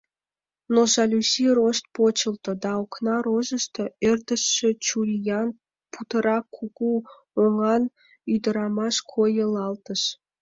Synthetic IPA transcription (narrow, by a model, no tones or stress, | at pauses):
noʒɑlʲusirost̪̚pot͡ɕə̆lt̪ŏd̪ɑoknɑɾoʒə̆ʃt̪ɤerd̪əʃːĕt͡ɕulʲjɑn | put̪ə̆ɾɑkʰuku | oŋɑn | yd̪ə̆ɾɑmɑʃkʰojəlɑlt̪əʃ